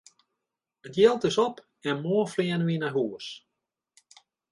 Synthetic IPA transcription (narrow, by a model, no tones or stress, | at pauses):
ətjɛlˠtɪsɔp | ɛnmoəflɪənəʋinaɦuəs